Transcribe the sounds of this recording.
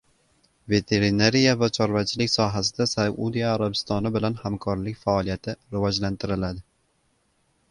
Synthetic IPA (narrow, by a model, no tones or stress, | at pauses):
ve̞t̪ʰe̞ɾɪnaɾijavat͡ʃʰɒɾvat͡ʃʰɪlɪkʲsɒɦasɪd̪asaud̪ijaːɾabɪst̪ɒnɪbɪlanhamkʰɒɾlɪkʲfaːlˠijat̪ʰɪɾɪvɒd͡ʒlant̪ʰɪɾɪlad̪ɪ